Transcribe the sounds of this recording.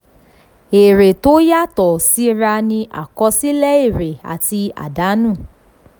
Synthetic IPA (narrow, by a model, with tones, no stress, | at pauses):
e˨ɾe˨to˦ja˦tɔ˨si˦ɾa˧nĩ˧ʔa̰˨kɔ˧si˦lɛ˦e˦˨ɾe˨a̰˨ti˧a̰˨da˨˦nũː˦˨